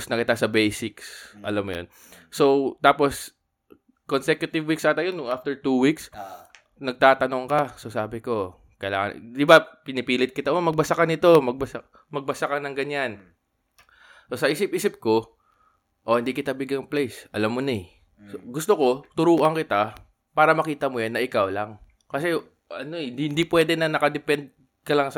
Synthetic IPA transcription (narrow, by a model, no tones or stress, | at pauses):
snɐkɪt̪asɐbejsɪksʔɐlamːo̰jo̰n | sowt̪aːpos | konsɛkjʊt̪ɪvwiksat̪ɐjonːʊŋʔaft̪ɛɹt̪uːwiks | nɐɡ̚t̪aːt̪ɐnoŋkɐsosaːbɪko̞ | kɐjla̰ːŋɐ̰d̪ɪbapɪnɪpiːlɪt̪̚kɪt̪aʔomɐɡ̚bɐsakɐnɪt̪o̞mɐɡ̚bɐsa | mɐɡ̚bɐsakɐnɐŋɡɐɲan | so̞sɐʔiːsɪp̚ʔiːsɪp̚ko̞ | ʔohɪnd̪iːkɪt̪abɪɡɐŋplejsʔɐlamːonɐɛ | soɡʊst̪oko̞t̪ʊɾuːʔɐŋkɪt̪a | paːɾɐmɐkiːt̪ɐmojanːɐʔɪkawlaŋ | kɐsɛ | ʔɐnoɪnhɪnd̪ipwɛːd̪ɛnɐnɐkɐd̪ɛpɛnd̪̚ | kɐlaŋsɐ